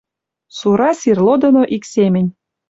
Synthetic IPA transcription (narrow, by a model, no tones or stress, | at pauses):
suɾɑsirlod̪ŏnoʔiksemʲɘ̆nʲ